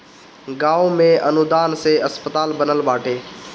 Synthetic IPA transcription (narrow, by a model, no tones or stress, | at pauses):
ɡaːomẽʔənʊd̪aːnseəspət̪aːlbənəlɓaːʈʰeː